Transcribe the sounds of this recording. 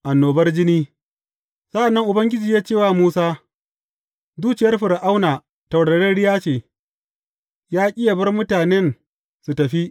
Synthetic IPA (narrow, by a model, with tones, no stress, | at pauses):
ʔa˨nːoː˨bɐ˦rd͡ʒɪ˦niː˦ | sɐ˦ʔa˨nːɐ˦ŋʔʊ˨bɐ˦ŋɡʲɪ˦d͡ʒiː˨jaː˦t͡ʃeː˦˨waː˦muː˦saː˦ | duː˦t͡ʃɪ˨jɐ˦rɸɪ˨ɾʔa˦wnaː˨ | tɐ˨wɽɐ˨ɽɐ˦nɽɪ˦jaː˦t͡ʃeː˨ | jaː˦kʲʼɪ˦ja˨bɐ˦rmʊ˦taː˨nɛ˦n | su˨tɐ˨ɸi˦ʔ